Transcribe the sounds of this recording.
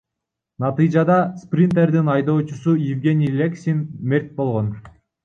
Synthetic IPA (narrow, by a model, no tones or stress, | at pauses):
nɑt̪ɨjd͡ʒɑd̪ɑsprʲint̪e̞rd̪inɑjd̪o̞ːt͡ʃusujɪvɡʲe̞nʲijlʲeksʲinme̞rʲt̪̚bo̞lˠʁo̞n